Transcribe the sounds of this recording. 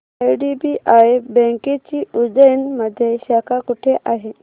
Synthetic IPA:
ajɖibiʔajbə̃ŋket͡ɕiːud͡zəjnməd̪ʱːjeɕakʰakuʈʰeʔaɦe

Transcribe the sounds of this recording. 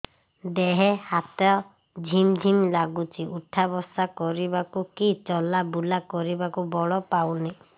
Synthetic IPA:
d̪eɦehat̪ɔɔ | d͡ʒʱimd͡ʒʱimlaɡut͡ʃʰiʔuʈʰabɔsakɔɾibakukit͡ʃɔlabulakɔɾibakubɔɭɔpawni

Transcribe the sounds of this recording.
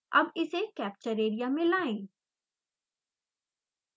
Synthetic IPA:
ɐ̰bɪsekɛːp̚t͡ʃəɾeːɾijamɪ̃laːẽː

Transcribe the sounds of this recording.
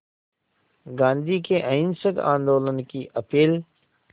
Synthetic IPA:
ɡãːnd̪ʱikeʔə̃ɪnsəɡã̰ːnd̪oːlənkiʔɐpiːl

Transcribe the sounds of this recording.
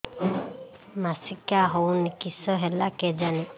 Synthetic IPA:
masikaɦɔwnikisɔɦɛlakɛd͡ʒanɛ

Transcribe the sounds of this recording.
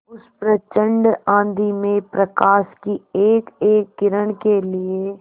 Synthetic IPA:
ʊspɾət͡ʃə̃ɳɖãːnd̪imẽpɾəkaːʃkieːkeːkːɪɾəɽ̃kelɪe

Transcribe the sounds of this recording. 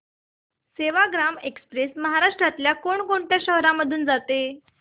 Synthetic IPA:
seʋaɡɾamekspɾesməɦaɾaʂʈɾat̪ljakoɳkoɳʈ̪jaɕəɦɾãməd̪ʱuːnd͡zat̪e

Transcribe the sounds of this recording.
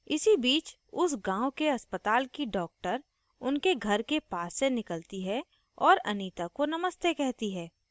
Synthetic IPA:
ɪsibiːt͡ʃ | ʊsɡãːʊkeɐspət̪aːlkiɖɔːk̚ʈəɾ | ʊnkeɡʱɐɾkepaːsːenɪkəlt̪iɦɛ | ɔːɾɐ̰niːt̪akonɐməst̪ekɛɦt̪iɦɛː

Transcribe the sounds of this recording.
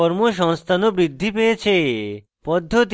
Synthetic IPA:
ɔɾmoʃ̬ɔŋst̪ʰanobɾid̪ʱːipejet͡ɕʰe | pɔd̪ʱːot̪

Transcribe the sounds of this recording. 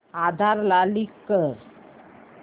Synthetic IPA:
ad̪ʱaɾlalikːəɾ

